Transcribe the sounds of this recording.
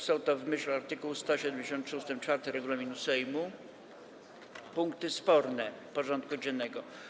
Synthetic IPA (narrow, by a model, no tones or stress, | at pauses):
sɔ̃w̃t̪ɔvmɘɕluaɾt̪ɘkuwst̪ɔɕɛd̪ɛmd͡ʑeɕɔnt̪ʂust̪ɘmt͡ʂfaɾt̪ɘɾɛɡulamʲinusɛjmu | puŋkt̪ɘspɔɾnɛpɔʐɔnt̪̚kud͡ʑɛnːɛɡɔ